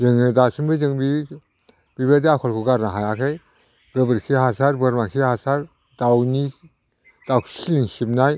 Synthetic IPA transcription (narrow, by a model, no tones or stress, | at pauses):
zɯŋɯdasɯmbɯzɯŋbi | b̥ibediakʰɔlkʰuɡaɾnaɦajakʰej | ɡɯbɯɾkʰihasaɾbɯɾmakʰihasaɾ | dawni | d̥aksiliŋsip̚naj